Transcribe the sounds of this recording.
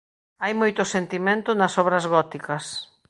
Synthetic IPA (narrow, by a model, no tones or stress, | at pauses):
ajmojt̪ʊsent̪imẽnt̪ʊnɐsɔβɾɐzɣɔt̪ikɐs